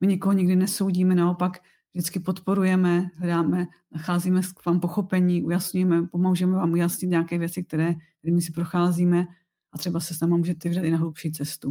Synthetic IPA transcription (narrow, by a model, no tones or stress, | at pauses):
mɪɲɛkoɦoɲɪɡdɪnɛso̞wɟiːmɛnao̞pak | vdɪt͡skɪpot̪po̞ɾujɛmɛɦlɛdaːmɛnaxaːziːmɛkvaːmpo̞xo̞pɛɲiːʔujasɲujɛmɛpomowʒujɛmɛvaːmujasɲɪt̪ɲaːkɛːvjɛt͡sɪk̚t̪ɛɾɛːt̪ɛɾɛːmɪs̬ɪpɾoxaːziːmɛ | ʔat̪r̥ɛbasɛsnaːmamuːʒɛt̪ɛvɪdat̪ɪnaɦlupʃiːt͡sɛst̪u